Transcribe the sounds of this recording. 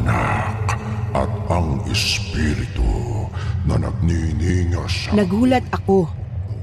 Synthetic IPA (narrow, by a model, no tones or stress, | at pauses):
nakʔɐ̰t̪̚ɐŋɪspiɾɪt̪ṵ | nɐna̰k̚niniŋasannɐɡhuːlɐt̪̚ʔɐko